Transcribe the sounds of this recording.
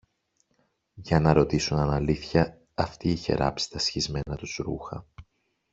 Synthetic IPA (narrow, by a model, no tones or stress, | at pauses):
ʝɐnɐɾo̞t̪isunɐnɐliθçɐː | ft̪iːçe̞̰ɾɐ̰psi̥t̪ɐsçizme̞nɐt̪uzɾuxɐ̰